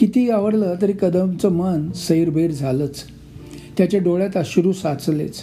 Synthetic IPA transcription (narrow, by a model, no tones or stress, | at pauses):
kit̪iaʋəɾlət̪əɾiːkəd̪əmt͡səmənsəiɾbʱeɽd͡zʱalət͡s | t̪jat͡ɕjaɖoɭjat̪əɕuɾusat͡slḛt͡s